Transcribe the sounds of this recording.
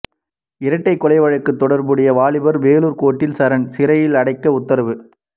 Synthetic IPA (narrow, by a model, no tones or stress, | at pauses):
ɪɾɐʈːɐɪkːɔlɐɪʋɐɻɐkːɯt̪ːɔɽɐɾbɯɽɐjɐʋaːɭɪbɐɾʋeːluːɾkoːʈːɪlsɐɾɐnsɪɾɐjɪlɐɽɐɪkːɐʊt̪ːɐɾɐʋɯ